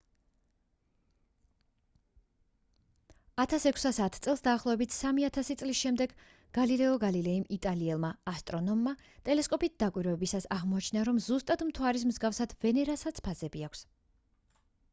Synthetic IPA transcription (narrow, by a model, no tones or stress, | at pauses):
at̪ʰasɛkʷʰsasat̪ʰt̪sʼɛlˠsd̪aːχlˠɔvɛbit̪ʰsamiat̪ʰasit̪sʼlisʃɛmd̪ɛɡ | ɡ̥alilɛɔɡalilɛimit̪ʼaliɛlˠmaːst̪ʼɾɔnɔmːa | t̪ʼɛlɛskʼɔpit̪̚d̪akʼwiɾɛɛbisasaʁmɔat͡ʃʰnaɾɔmzust̪ʼad̪mt̪ʰwaɾis̬mzɡafsad̪̥vɛnɛɾasat̪sʰpʰazɛbiakʷʰs